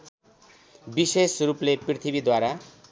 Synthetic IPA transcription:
bisesrupleprit̪ʰibid̪waɾa

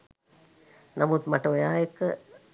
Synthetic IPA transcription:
namut̪maʈəojaːjekːə

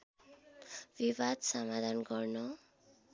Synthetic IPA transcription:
bibad̪sʌmad̪ʱanɡʌrno

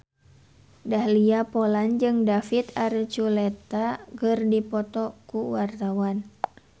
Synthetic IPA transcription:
dahliapɔland͡ʒɨŋdafit̪aɾt͡ʃulɛt̪akɨrdipɔt̪ɔkuwart̪awan

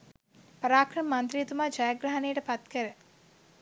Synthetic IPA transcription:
pəɾaːkɾɐmmɐnt̪ɾijet̪umaːd͡ʒajaɡɾaɦɐnejəʈəpat̪kəɾə

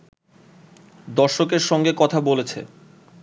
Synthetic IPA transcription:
d̪ɔɾʃokeɾʃɔŋɡekɔt̪ʰabolet͡ɕʰḛ

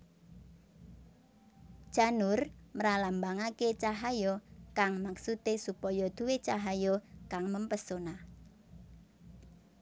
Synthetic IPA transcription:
d͡ʒ̥a̤nʊrməɾalambaŋaket͡ʃaɦajɔkaŋmaksut̪esupɔjɔd̪̥uwet͡ʃaɦajɔkaŋməmpəsona

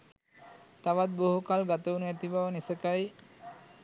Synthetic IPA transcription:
t̪aʋat̪̚boɦukalɡat̪əunuæt̪ibaʋənisəkaj

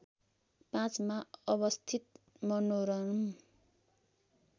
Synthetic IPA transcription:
pãt͡smaʌβʌst̪ʰit̪ | mʌnoɾʌnm

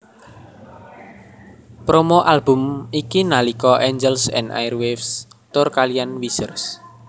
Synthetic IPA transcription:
pɾomoʔalbʊ̤mikinalikɔʔɛɲd͡ʒɛlsɛ̰nda̰jrwefst̪ʊrkalijanwisərs

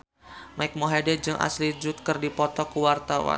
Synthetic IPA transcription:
majk̚moɦadɛd͡ʒɨŋʔa̰slid͡ʒʊt̪̚kɨrdipɔt̪ɔkuwart̪awa̰

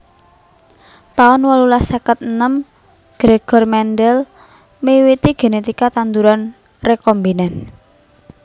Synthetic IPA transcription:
t̪aʊnwalulasakət̪̚ənəm | ɡ̥ɾeɡ̥ɔ̤rmɛnɖɛl | mewit̪iɡ̥e̤net̪ikat̪and̪uɾan | rekɔmbinɛn

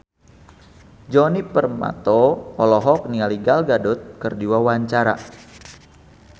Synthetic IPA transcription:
d͡ʒɔnipərma̰t̪ɔːlɔɦɔk̚nialiɡalɡadʊt̪̚kərdiwawaɲt͡ʃaɾa̰

